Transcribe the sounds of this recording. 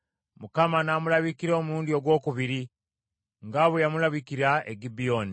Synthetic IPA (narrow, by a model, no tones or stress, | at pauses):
mukamanamulaβikiɾoːmuɾuːndio̞ɡwo̞ːkuβiɾi | ŋɡaβwejamulaβikiɾaḛɡibioni